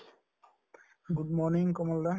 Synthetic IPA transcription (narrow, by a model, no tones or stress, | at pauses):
ɡud̚mɔɹniŋkɔmɔlda